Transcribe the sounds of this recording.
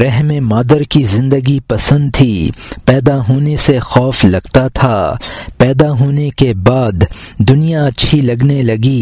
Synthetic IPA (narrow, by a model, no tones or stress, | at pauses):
ɾɛɦmemaːd̪əɾkizɪ̃nd̪əɡipɐsə̃nd̪̚t̪ʰiːpɛːd̪aɦoːnesexɔːflɐɡt̪at̪ʰapɛːd̪aɦoːnekebaːd̪ː | ʊnijat͡ʃʰilɐɡnelɐɡiː